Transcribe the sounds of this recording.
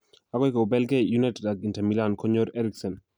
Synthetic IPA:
aɡwɔjkobɛlɡejunatɛdaɡintɛmilankʰoɲoɾɛɾiksɔn

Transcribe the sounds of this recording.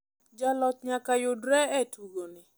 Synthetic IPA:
d͡ʒalɔt̚ɲakajʊdɾɛɛtʰuɡonɪ

